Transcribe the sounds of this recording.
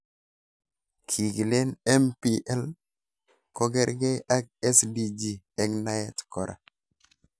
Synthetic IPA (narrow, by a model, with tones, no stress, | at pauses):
kʰi˨ɡi˨le˦nɛ˦mpi˦ʔɛ˦l | ko˦ɡɛ˦ɾɡe˦a˦k̚e˦sdi˨d͡ʒi˨ | ɛ˦kna˦jɛ˦tkɔ˨ɾʔa̰˨